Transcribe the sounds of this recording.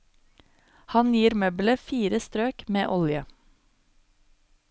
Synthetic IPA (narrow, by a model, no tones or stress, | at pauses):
hɑnjiːɾmœːbləfiːɾəst̪ɾøːkmeːʔɔljə